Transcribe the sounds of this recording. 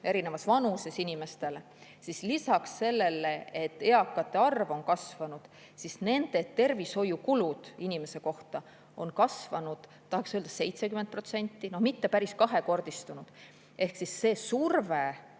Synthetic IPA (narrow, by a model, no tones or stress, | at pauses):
e̞ɾine̞vɑsvɑnuse̞sinʲime̞st̪e̞l | sislisɑksːe̞lːe̞lːeet̪ːe̞ɑkːˑɑt̪ːˑe̞ɑrvo̞nkɑsvɑnud̪̥ | sisne̞nd̪̥e̞t̪ːe̞rvisho̞jukulud̪̥inʲime̞se̞ko̞ht̪ɑ | o̞nkɑsvɑnud̪̥ | t̪ːɑhɑksøld̪̥ɑse̞jt̪se̞kymen̚pro̞t̪se̞nʲt̪ːˑino̞hmit̪ːe̞pæɾiskɑɦe̞ko̞rd̪̥ist̪unud̪̥ | ʔe̞hksisːe̞ːsurve